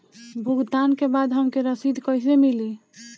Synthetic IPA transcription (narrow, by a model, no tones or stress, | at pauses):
bʱuɡd̪ankebad̪ɦəmkeɾəsid̪ʱkəɪs̬emili